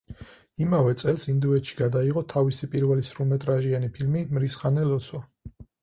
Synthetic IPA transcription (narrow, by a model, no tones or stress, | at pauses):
imavɛt̪sʼɛlˠsind̪uɛt̪ʃi̥ɡad̪aiʁɔt̪ʰavisipʼiɾvɛlisɾumɛt̪ʼɾaʒianipʰilmimɾisχanɛlɔt̪sʰwa